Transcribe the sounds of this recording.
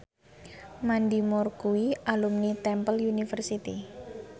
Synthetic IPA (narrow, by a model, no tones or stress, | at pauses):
mandimɔrkuiʔalumnit̪ɛmpəlunifərsit̪ḭ